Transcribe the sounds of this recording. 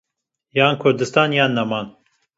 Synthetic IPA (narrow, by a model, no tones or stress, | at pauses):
jɑːnkʰʊɾd̪ɨst̪ɑːnjɑːnːɐmɑːn